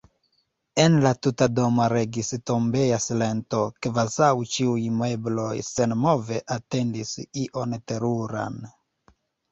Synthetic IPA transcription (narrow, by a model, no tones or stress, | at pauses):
e̞nlatutado̞maɾe̞ɡisto̞mbe̞jasile̞nto̞kvazawt͡ʃiujmeblo̞jsenmo̞ve̞ʔate̞ndisiʔo̞nte̞ɾuɾa̰n